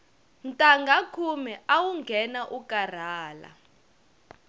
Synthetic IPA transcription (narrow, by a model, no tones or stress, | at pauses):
ntʼaŋɡʱakʰumɛawuŋɡʱɛnaʔukʼar̤aːla̰